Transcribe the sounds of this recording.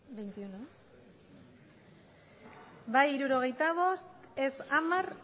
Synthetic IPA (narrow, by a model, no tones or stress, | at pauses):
bejnt̪iunos | bajiɾuɾo̞ɣ̞e̞jt̪aβ̞o̞st̪esamar